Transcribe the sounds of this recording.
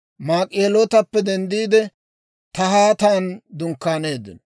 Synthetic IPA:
maːkʼeːloːt̪ɐpːɛd̪ɛnd̪iːd̪ɛ | t̪ɐhaːt̪aːnd̪ʊŋkːaːne̞ːd̪ːɪ̰nɔ

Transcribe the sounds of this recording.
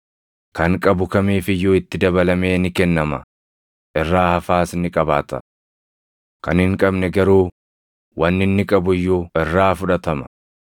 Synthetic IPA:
kɐŋkʼɐbʊkɐmeːfɪjːoːɪt̪ːɪd̪ɐbɐlɐme̞ːnɪkɛnːɐmɐ | ʔɛrːaːhɐfaːsɪnːɪkʼɐbaːt̪ɐ̰ | kɐnhɪŋkʼɐbnɛɡɐɾuː | wɐnːɪnːɪkʼɐbʊjːʊɛrːaːfʊᶑɐt̪ɐmɐ̥

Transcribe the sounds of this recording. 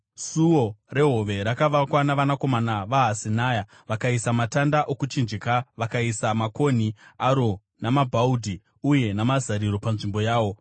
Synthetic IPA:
suwore̞ɦoʋe̞ɾakaʋakwanaʋanako̞manaʋaɦasinaːja | ʋakaisamatandaʔokut͡ʃind͡ʒekaʋakaisamako̞niaɾo̞ | namabʱaudʱi | uje̞namazaɾiɾo̞panʐimbo̞jaːʋo̞

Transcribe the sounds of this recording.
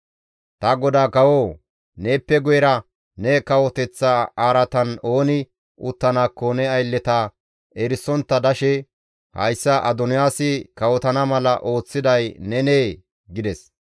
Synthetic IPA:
t̪ɐɡɔd̪aːkɐwoː | neːpːɛɡɔjɛɾɐ | nɛkɐwɔt̪ɛt͡sːaaːɾɐt̪ɐno̞ːnɪ | ʔʊt̪ːɐnaːkːonɛɐjlːɛt̪aː | ɛɾɪsːɔnt̪ːɐd̪ɐʃɛ | hɐ̰jsːɐʔɐd̪ɔnɪjaːsɪkɐwɔt̪ɐnɐmɐlɐ̰ʔo̞ːt͡sːɪd̪ɐjnɛneː | ɡɪd̪ɛs

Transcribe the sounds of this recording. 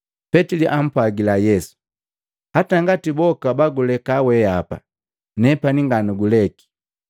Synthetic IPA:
pɛtiliʔam̩pwaɡilajɛsu̥ | hataŋɡatibɔkabaɡulɛkawɛapa̰ | nɛpaniŋɡanuɡulɛki̥

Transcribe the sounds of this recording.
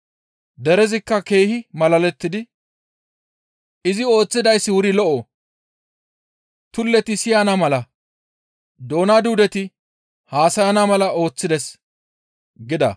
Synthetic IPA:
d̪ɛɾɛzɪkːɐke̞ːhɪmɐlɐlɛt̪ːɪd̪ɪ | ʔɪzɪo̞ːt͡sːɪd̪ɐjsːɪwʊɾɪlɔʔo | t̪ʊlːɛt̪ɪsɪjanɐmɐlɐ | d̪o̞ːnad̪uːd̪ɛt̪ɪ | haːsɐjɐnɐmɐlɐʔo̞ːt͡sːɪd̪ɛs | ɡɪd̪ɐ̰

